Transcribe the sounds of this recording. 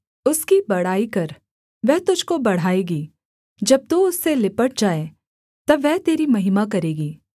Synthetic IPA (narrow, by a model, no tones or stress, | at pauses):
ʊskibɐɽ̤aːikɐɾ | ʋɛɦt̪ʊd͡ʒʱkobɐɽ̤aːeːɡiː | d͡ʒɐb̚t̪uʊsːelɪpəʈ̚d͡ʒaːe | t̪ɐʋɛɦt̪eːɾimɐɦɪmak̬ɐɾeːɡiː